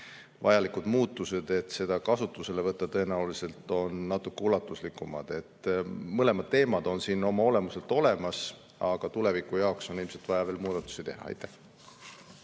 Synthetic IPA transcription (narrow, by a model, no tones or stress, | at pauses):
vɑjɑlikud̪̥muːt̪ːˑuse̞d̪̥e̞t̪se̞d̪̥ɑkɑsut̪ːˑuse̞le̞vɤt̪ːɑt̪ɤe̞næulise̞lt̪ˑo̞nːɑt̪ːˑukːeulɑt̪ːˑuslikːumɑ̰d̪̥e̞t̪ːmɤle̞mɑd̪̥̚t̪e̞ːmɑd̪̥o̞nsino̞mɑo̞le̞muse̞lt̪o̞le̞mɑs | ɑɡ̥ɑt̪ule̞vikujɑokso̞nilmse̞lt̪vɑjɑve̞ːlmuːd̪ɑt̪ːˑu̥sit̪e̞ɦɑ̰ɑ̰jt̪ːˑæh